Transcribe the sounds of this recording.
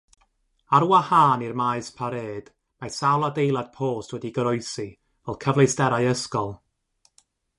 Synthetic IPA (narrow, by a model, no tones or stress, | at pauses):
aɾuwahaːnirmaɨspʰaɾeːd̥ | masawlˠadejlˠad̥̚pʰoːstʰwɛdiɡəɾɔɨsi | vɛlˠkʰəvlˠejstɛɾajəskɔlˠ